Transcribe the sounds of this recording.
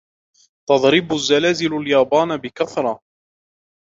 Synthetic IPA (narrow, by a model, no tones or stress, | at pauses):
t̪ɑd̪ˤɾɪbʊzːalaːzɪlaljɑːbaːnbɪkaθɾˤɑ